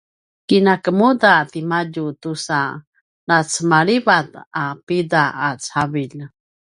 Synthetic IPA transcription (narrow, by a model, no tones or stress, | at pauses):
kinakəmudat̪imaɟut̪usa | nat͡səmaɭibat̪apidaat͡saviʎ